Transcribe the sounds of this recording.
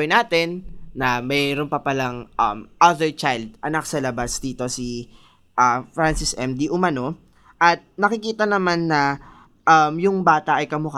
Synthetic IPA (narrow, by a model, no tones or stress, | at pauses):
jnaːt̪ɛnːɐmɛɾonpɐpɐlɐŋʔɐ̰mʔɐðɛɹt͡ʃajld̪̚ʔɐnak̚sɐlɐbasd̪iːt̪o̞si | ʔɐfɾansɪsʔɛmd̪iʔʊmɐno̞ | ʔɐt̪̚nɐkɪkiːt̪ɐnɐmanːɐ | ʔɐmjʊŋbaːt̪ɐʔɐjkɐmʊka